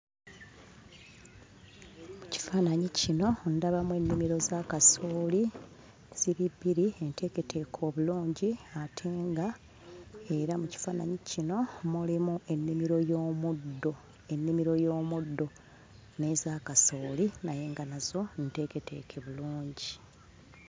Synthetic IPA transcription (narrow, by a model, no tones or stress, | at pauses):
muci̥faːnaɲicino̞ndaβamwe̞nːimiɾo̞zaːkaso̞ːli | z̥iɾiβːiɾie̞nte̞ke̞tʰe̞kʰo̞ːβuluːɲɟiatʰe̞ːŋɡa | e̞ɾamuci̥faːna̰ɲicino̞mulimuʔe̞nːimiɾo̞joːmudːo | e̞nːimiɾo̞jo̞ːmudːo̞ | ne̞zaːkaso̞ːlinaje̞ːŋɡanazo̞nte̞ke̞te̞̰ːkʰeβuluːɲɟi